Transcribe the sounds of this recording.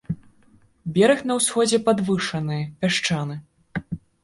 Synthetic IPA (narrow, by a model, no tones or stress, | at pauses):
bʲɛɾɨxnɐwsxɔd͡zʲɛpad̪vɨʂɐnɨjɐpʲaʂt͡ʂanɨ